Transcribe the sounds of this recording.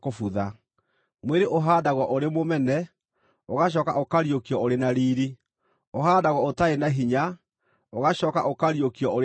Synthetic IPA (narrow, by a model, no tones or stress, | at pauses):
kofuða | mweɾeʔoɦaːdaɣwɔʔoɾemomɛnɛ | oɣaɕ̬ɔːka̰ʔokaɾiokiɔoɾenaɾiːɾi | oɦaːdaɣɔotaenaɦiɲa | oɣaɕɔːkaʔokaɾjokiɔoɾ